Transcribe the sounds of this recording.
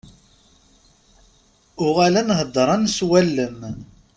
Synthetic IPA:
ʊʁalænhəd̪ˤːɾˤɑnswælːəm

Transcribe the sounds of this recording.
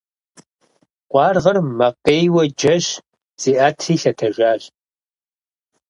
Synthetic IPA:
qʷɑːrʁɐrmɐqeːjwɐd͡ʒɐɕ | z̥iːʔaːtʰriːɬɐtʰɐʒʷaːɕ

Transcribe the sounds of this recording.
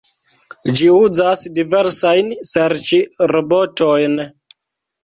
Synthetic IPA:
d͡ʒiuzasdive̞ɾsajnseɾt͡ʃiɾebotojn

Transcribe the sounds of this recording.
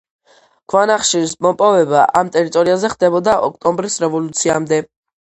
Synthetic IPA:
ɡ̥ʰwanaχʃiɾismɔpʼɔvɛbaʔamt̪ʼɛɾit̪ʼɔɾiazɛχd̪̥ɛbɔd̪aʔɔk̚ʰt̪ʼɔmbɾisɾɛvɔlut̪sʰiamd̪ɛ

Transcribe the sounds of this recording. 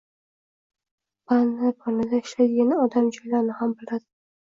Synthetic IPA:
banːɪpʰɒnɪd̪aɪʃlajd̪ɪɡʲanɪɒd̪amd͡ʒɒjlaɾnɪhambɪlad̪ɪ̥

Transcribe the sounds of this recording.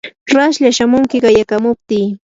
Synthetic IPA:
ɾaʃʎaʃamʊŋkɪɢɑjakamʊp̚t̪ɪː

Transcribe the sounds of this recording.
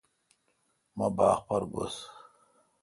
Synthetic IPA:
mabaːxpaɾɡo̰s

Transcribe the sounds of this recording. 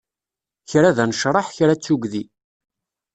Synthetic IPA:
çɾæðænəʃɾˤɑħçɾæt͡sːuɡði

